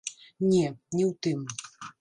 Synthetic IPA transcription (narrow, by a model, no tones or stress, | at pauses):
nʲɛnʲɛwt̪ɨm